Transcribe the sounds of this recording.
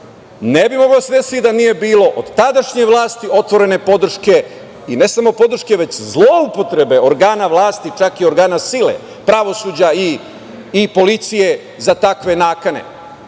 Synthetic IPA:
nebimo̞ɡaosed̪esiid̪anije̞biːlo̞ʔod̪t̪ad̪aʃɲe̞ʋlˠaːst̪io̞t̪ʋo̞ɾe̞ne̞po̞d̪r̩ʃke̞ | ine̞samo̞po̞d̪r̩ʃke̞ʋe̞t͡ɕzlˠo̞upo̞t̪ɾe̞be̞o̞ɾɡaːnaʋlˠaːst̪it͡ʃakio̞ɾɡaːnasilḛ | pɾaʋo̞suːd͡ʑaiː | po̞lit̪sije̞ | zat̪akʋe̞naːkane̞̰

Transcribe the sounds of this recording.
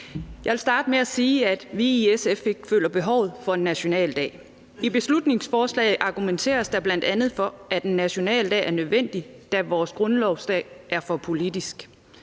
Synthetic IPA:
jɑʋe̝lsd̥ɑ̈ːd̥əmeæsiːæd̥ʋiesefe̝ɡ̥fø̰ːlɐb̥e̝ɦɒʊ̰ð̞̩ˠfɒ̽e̝nːæɕo̝nɛ̰ːld̥ɛ̰ːɪ | ib̥e̝slud̥ne̝ŋsfɒːslɛ̰ɪð̩ˠʔɑ̈ɡ̥ument͡sʰe̝̰ːɐsd̥ɑ̈b̥læn̰d̥ænð̞̩ˠfɒ̽æd̥enːæɕo̝nɛ̰ːld̥ɛ̰ːæɐnøðˠʋen̰d̥id̥æʋɒːsɡ̥ʁɔ̽nlɒʊsd̥ɛ̰ːʔæɐfɒ̽pʰo̝lid̥isɡ̥

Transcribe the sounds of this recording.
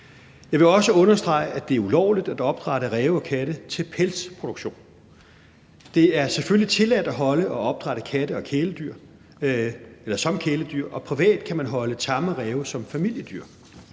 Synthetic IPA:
jɑɪʋe̝ɒ̽səɔ̽nɐsd̥ʁɑ̈ɪʔæd̥e̝æɐulɒʊlid̥æd̥ɒ̽b̥̚d̥ʁɑ̈ɾ̥əʁɛːʊɒ̽kʰæɾ̥ət͡sʰe̝lpʰelspʰo̝d̥uɡ̥ɕo̝̰ːn | d̥e̝æɐseføllit͡sʰe̝læd̥æɦɒ̽ləɒ̽ɒ̽b̥̚d̥ʁɑɾ̥əkʰæɾəɒ̽kʰeːləd̥yɐ̰ | elɐsɒ̽mkʰeːləd̥yɐ̰ʔɒ̽pʰʁiʋɛ̰ːd̥kʰæmænɦɒ̽ləsɑ̈məʁɛːʊsɒ̽mfæmil̰jəd̥yɐ̰

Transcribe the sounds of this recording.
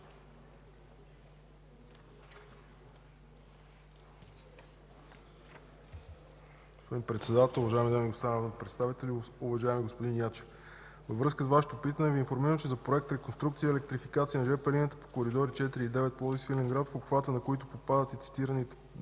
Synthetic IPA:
ɡospod̪inpɾɛt̪sɛd̪at̪ɛlˠʊvɐʒaɛmid̪amiɡost̪anavnpɾɛt̪st̪avit̪ɛlʲiʊvɐʒaɛmiɡospod̪injat͡ʃɛ̥f | vəvɾɤskəsvaʃɛ̥t̪opit̪ənɛviːnfoɾmiɾəmt͡ʃɛzɐpɾoɛk̚t̪ɾɛkonst̪ɾuk̚t̪sijəɛlɛkt̪ɾifikat̪siənɐʒɛpɛlinət̪ə̥po̥koɾid̪ɔɾit͡ʃɛt̪iɾiːd̪ɛvɛt̪̚plˠɔzisfilʲɛŋɡɾad̪fopxvat̪ənɐkoit̪ʊpopad̪ət̪ɛt̪si̥t̪iɾənit̪ɛ

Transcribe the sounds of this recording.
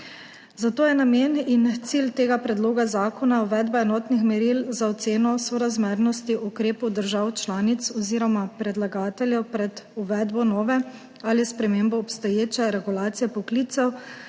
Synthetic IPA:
zat̪oːjɛnameːnint̪silt̪eːɡapɾɛd̪loːɡazaːkʰɔnauʋɛd̪baɛnɔːt̪nixmɛɾilzaɔt̪seːnɔsɔɾazmeɾnɔst̪iʔukɾeːpud̪əɾʒawt͡ʃlaːnit̪sɔziːɾɔmapɾɛd̪laɡaːt̪ɛljɛpɾɛd̪uʋɛd̪bɔnɔːʋɛ | alispɾɛmeːmbɔːpst̪ɔjeːt͡ʃɛɾɛɡulaːt̪sijɛpɔkliːt̪sɛw

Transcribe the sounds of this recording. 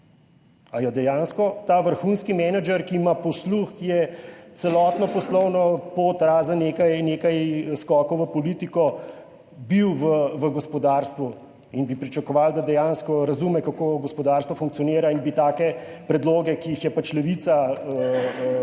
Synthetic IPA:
ajɔd̪ɛjaːnskɔt̪aːʋəɾxunskimɛnad͡ʒɛɾkiːmapɔsluxjɛt̪sɛlɔːt̪nɔpɔslɔwnɔpot̪ɾaːzaneːkajneːkajskɔːkɔwʋəpɔliːt̪ikɔ | biwʋəʋəɡɔspɔd̪aɾst̪ʋu | inbipɾit͡ʃakɔʋald̪ad̪ɛjaːnskɔɾɐzumɛkakoːɡɔspɔd̪aːɾst̪ʋɔfuŋk̪̚sijɔniːɾainbit̪aːkɛ | pɾɛd̪loːɡɛkiixjɛpat͡ʃlɛʋit̪saə

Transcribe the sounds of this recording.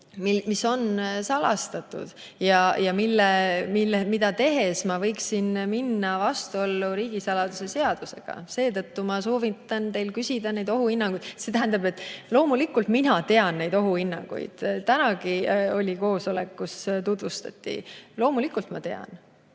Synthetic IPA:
mimiso̞nsɑlɑ̰st̪ɑt̪ːˑṵd̪̥ | jɑjɑmilːemilemid̪̥ɑt̪e̞ɦe̞smɑvɤ̞jksinminːɑvɑst̪uo̞lːuɾiːɡ̥isɑlɑd̪̥use̞se̞ɑd̪̥use̞ɡ̥ɑ̰se̞ːt̪ɤ̞t̪ːumɑso̞ːvit̪ːˑɑnt̪e̞jlkysid̪̥ɑne̞jd̪o̞ɦuinːɑŋɡ̥ujd̪̥se̞t̪æɦænd̪̥ɑbe̞t̪ːˑlo̞ːmulikːult̪minɑt̪e̞ɑnːe̞jd̪o̞ɦuinːɑ̰ŋɡ̥ṵj̰d̪̥t̪ænɑɡio̞lʲiko̞ːso̞le̞kːust̪ud̪̥vust̪ɑ̰t̪ːḭlo̞ːmulikːult̪mɑ̰t̪e̞ɑ̰n

